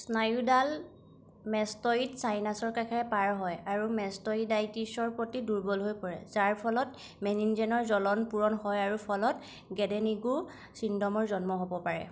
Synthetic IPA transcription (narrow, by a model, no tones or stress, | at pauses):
snajudal | mɛstɔitsajnasɔɹkakʰɛɹɛpaɹɦɔjaɹumɛstɔidajtisɔɹpɔtiduɹbɔlɦojkɔɹɛ̰zaɹpʰɔlɔt | mɛninzɛnɔɹzɔlɔnpuɹɔnhɔjaɹupʰɔlɔt | ɡɛdɛniɡu | sindɔmɔɹzɔnmɔɦobɔpaɹɛ̰